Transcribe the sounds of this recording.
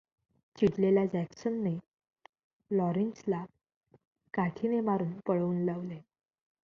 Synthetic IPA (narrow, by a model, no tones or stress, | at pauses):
t͡ɕiʈleljad͡ʑɛksənːe | lɔɾinsla | kaʈʰinemaɾuːnpəɭuːnlaʋle